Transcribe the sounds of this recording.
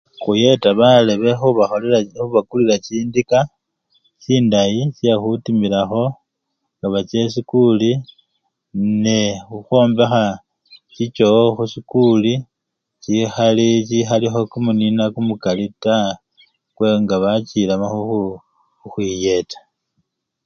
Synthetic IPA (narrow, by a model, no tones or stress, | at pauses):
xuje̞taβale̞βe̞xuβaolixuβakulilat͡ʃiːndika | siːndajisiexutimilaxo̞ | ŋɡaβat͡ʃe̞sikuli | nexuxo̞ːmbe̞xa | t͡ʃit͡ʃo̞xusikuli | t͡ʃixalit͡ʃixalixo̞kumuninakumukalita | kwe̞ŋɡaβat͡ʃilamaxuxu | xwije̞tḁ